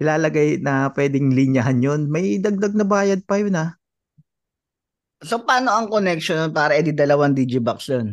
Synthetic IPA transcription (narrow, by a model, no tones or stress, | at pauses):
ʔɪlaːlɐɡajnɐpwɛːd̪ɪŋlɪɲɐɦanjonmɐjd̪ɐɡ̚d̪ɐɡ̚nɐbaːjɐd̪̚pɐjona | sopaːno̞ʔɐŋkonɛkʃononpaːɾɐʔɪd̪ɪd̪ɐlɐwaŋd̪iːd͡ʒɪbɐksjon